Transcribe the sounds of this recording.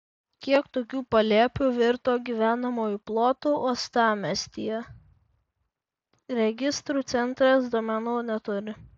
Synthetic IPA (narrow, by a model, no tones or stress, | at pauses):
kʲiɛkt̪oːkʲuːpɐlʲeːpʲʊʋʲɪɾt̪oːɡʲiːʋʲæːnɐmoːjiplˠoːt̪uːoːst̪ɑːmʲɛsʲt̪ʲijɛ | ɾʲɛɡʲɪst̪ɾuːt̪sʲɛnˑt̪ɾɐsd̪uɔmʲɛnuːnʲɛt̪ʊɾʲɪ